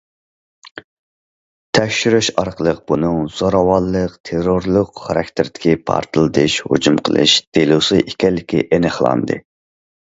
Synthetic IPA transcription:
t̪ʰɛkʲʃyɾyʃɑɾqəlˠəq̚b̥unɨŋz̥oɾɑwɑlˠːəqt̪ʰeɾoɾlˠʊqχɑɾɑk̚ʲt̪ʰɪɾd̪ɪ̥kʲipʰɑ̰ɾt̪ʰɨlˠɨd̪ɨʃho̰d͡ʒumqʰəlˠɨ̰ʃd̪̥elusɨʔikʲɛlːɪkʲḭʔenɨχlˠɑ̰nd̪ɨ̰

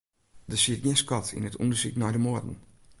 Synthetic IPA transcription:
dəsiəjɛskɔtʰḭnətṵndəsḭknɔjdəmoədn̩

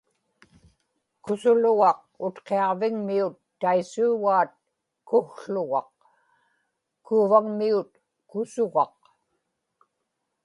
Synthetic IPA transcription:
kʊsʊlʊɣɑq̚ | ʊt̪qe̞ɑʁvɪŋmiut̪ːaisuːɣaːt̪̚ | kʊxɬʊɣɑ̰q̚ | kuːvaŋmiut̪ | kʊsʊɣɑq̚

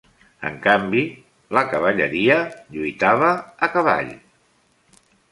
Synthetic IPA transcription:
ə̰ŋkambi | ləkəβ̞əʎəɾiəʎujt̪aβəːkəβa̰ʎ

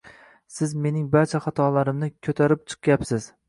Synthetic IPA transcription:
sɪzme̞nɪŋbaɾt͡ʃʰaχat̪ʰɒlaɾɪmnɪkʲʰɵt̪ʰaɾɪp̚t͡ʃʰɨ̥q̚ɡʲapsɪz̥

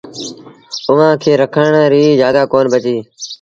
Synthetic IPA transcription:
ʊʋãːkʰeːɾəkʰəɳɾiːzjaːd̪aːkoːnbət͡ʃiː

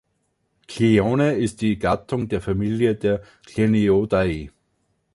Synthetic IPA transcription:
kʰlioːneɪst̚d̥iːɡ̥atʰʊŋdeːɐfamiːljədeːɐ | kʰleniodai

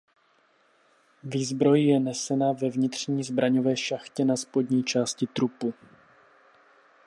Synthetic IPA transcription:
viːzbɾo̞jjɛnɛsɛnavɛvɲɪt̪r̝̥ɲiːzbɾaɲo̞vɛːʃaxcɛnaspo̞dɲiːt͡ʃaːscɪt̪ɾupu

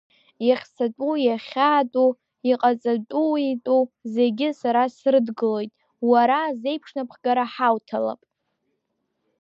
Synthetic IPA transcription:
jaχʲsʰatʼujaχʲaːtʼu | iqʼat͡sʼatʷʼuitʼuze̞ɡʲɪsaɾasrɨdɡɨlo̞jtʼ | waɾaze̞jpʰʂnapʰχɡaɾaħawtʰala̰pʼ

